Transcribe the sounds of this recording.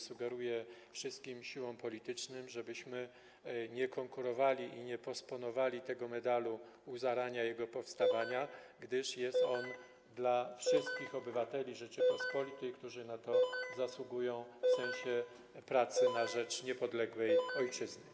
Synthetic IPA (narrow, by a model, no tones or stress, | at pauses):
suɡɛɾujɛfʂɘst̪̚kʲimɕiwɔ̃mpɔlʲit̪ɘt͡ʂnɘmʐɛbɘɕmɘ | ɲɛkɔŋkuɾɔvalʲiʔiɲɛpɔspɔnɔvalʲit̪ɛɡɔmɛd̪alu | uzaɾaɲajɛɡɔpɔfst̪avaɲaɡd̪ɘʂjɛst̪ɔn | d̪lafʂɘst̪̚kʲixɔbɘvat̪ɛlʲiʐɛt͡ʂɘpɔspɔlʲit̪ɘjkt̪uʐɘnat̪ɔzaswuɡujɔ̃w̃fsɛ̃ɕɛ | pɾat̪sɘnaʐɛt͡ʂɲɛpɔd̪lɛɡwɛjɔjt͡ʂɘznɛ